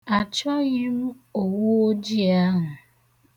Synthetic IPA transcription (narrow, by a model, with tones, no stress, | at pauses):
a˨t͡ʃɔ˦ɣɪ˦m̩˦ | o˨wu˦o˦d͡ʒi˦a˦ɦʊ˨